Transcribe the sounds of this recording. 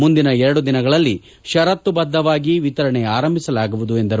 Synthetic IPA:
mund̪inɐɛɾɐɽud̪inɐɡɐɭɐlːi | ʃɐɾɐt̪ːubɐd̪ʱːɐʋaːɡiʋit̪ɐɾɐɳeaːɾɐmbʱisɐlaːɡuʋud̪ue̞nd̪ɐɾ

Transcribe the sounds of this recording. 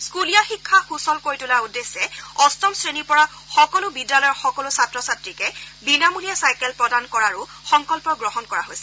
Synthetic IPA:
skulijaxikʰːaxusɔlkoɹitulaudesːɛɔstɔmsɹenipɔɹa | xɔkɔlʊbidːalɔjɔɹxɔkɔlʊsatɹɔsatɹikɛbinamulijasajkɛlpɹɔdankɔɹaɹu | xɔŋkɔlpɔɡɹɔɦɔnkɔɹaɦojsɛ

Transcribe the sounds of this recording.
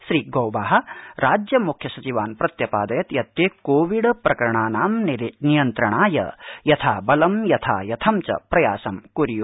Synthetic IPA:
ʃɾiːɡɐwbaːɦɐ̆ɾaːd͡ʒjɐmukʰjɐsɐt͡ʃiʋaːnpɾɐt̪jɐpaːd̪ɐjɐt̪jɐt̪jeːkoːʋiɖpɾɐkɐɾɐɳaːnaːmnnijɐnt̪ɾɐɳaːjɐ̰jɐt̪ʰaːbɐlɐmjɐt̪ʰa̰ːjɐt̪ʰɐmt͡ʃɐ̰pɾɐja̰ːsɐmkuɾiju

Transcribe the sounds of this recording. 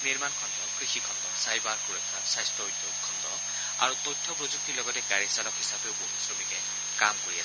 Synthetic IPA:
niɹmankʰɔndɔkɹixikʰɔndɔsajbaɹkuɹɔkʰːapsajstɔojtːokʰɔndɔ | a̰ɹutɔjtʰːɔpɹozuk̚tːilɔɡɔtɛɡaɹisalɔkhisapeʊbumisɹɔmikɛ | kamkoɹias

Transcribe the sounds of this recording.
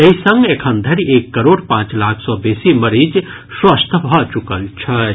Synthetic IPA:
ɐisə̃ŋɡekʰənd̪ʱɐɾieːkːəɾoːɽpãːt͡ʃlaːkʰsɔːbeːsimɐɾid͡ʒ | swɐst̪ʰbʱɔt͡ʃukəlt͡ʃʰɐ

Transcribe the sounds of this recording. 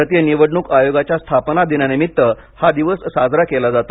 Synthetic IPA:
ət̪jəniʋəɽɳuːkajoɡat͡ɕjast̪ʰapnad̪injanimit̪ːə | had̪iʋəssad͡zɾakelad͡zat̪o

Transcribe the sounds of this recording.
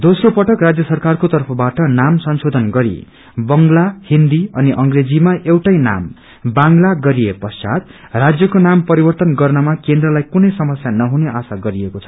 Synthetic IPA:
d̪osropʌʈʌkrad͡zjʌsʌrkarkot̪ʌrpʰʌbaʈʌnamsʌnsod̪ʱʌnɡʌɾḭ | bʌŋlahind̪iʌniʔʌŋred͡zimaewʈajna̰m | baŋlaɡʌɾiepʌsa̰t̪̚ | rad͡zjʌkonampʌɾibʌrt̪ʌnɡʌrnʌmakend̪rʌlajkunʌjsʌmʌsjanʌɦuneʔasaɡʌɾiekot͡sʰʌ̥

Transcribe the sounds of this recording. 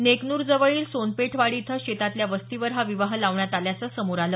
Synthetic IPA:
neknuːɾd͡zəʋəɭiːlsonpeʈʰʋaɽit̪ʰəɕet̪at̪ljaʋəst̪iʋəɾɦaʋiʋaɦlaʋɳjat̪aljat͡səsəmuɾalə

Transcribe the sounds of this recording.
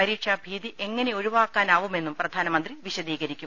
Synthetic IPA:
pɐɾiːkʂabʱiːðiʔe̞ŋːɐne̞o̞ɻuʋaːkːaːnaːʋume̞nːumprɐd̪ʱaːnɐmɐnd̪riʋiɕɐd̪iːɣɐɾikʲːum

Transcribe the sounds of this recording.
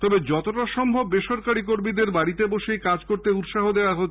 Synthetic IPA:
t̪ɔbed͡ʑɔt̪oʈaʃɔmbʱobːeʃoɾkaɾik̬oɾmid̪eɾbaɽit̪eboʃejkad͡ʑkoɾt̪eut̪ʃaɦod̪eoaɦo

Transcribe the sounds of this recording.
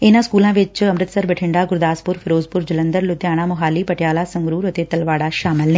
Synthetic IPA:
ɪnãːskuːlãːʋɪt͡ʃəmɾɪt̪səɾbɛʈʰɪ̃ɳɖaːɡʊɾd̪aːspʊɾpʰɪɾoːzpʊɾd͡ʒələ̃nd̪əɾlʊt̪jaːɽ̃ãːmʊɦaːliːpəʈjaːlaːsə̃ŋɡɾuːɾət̪eːt̪əlʋaːɽaːʃaːmɪlne

